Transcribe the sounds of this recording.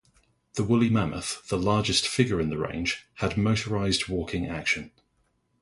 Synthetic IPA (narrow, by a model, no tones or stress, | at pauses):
ðəwʊlimamʔə̰θðəlɑːd͡ʒɪstfɪɡəɹɪ̃nðəɹḛ̃ɪ̃nʒ̥ədməʊtʰəɹaɪzdwɔˑkʰɪ̃ŋa̰kʃə̃n